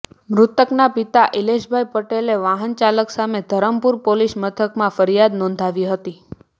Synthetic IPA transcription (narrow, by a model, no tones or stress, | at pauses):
mɾʊt̪əknapit̪aʔileʃbʱajpəʈeleʋaɦənt͡ʃaləksamed̪ʱəɾəmpuɾpoliʃmət̪ʰəkmãfəɾijad̪nɔ̃nd̪ʱaʋiɦət̪i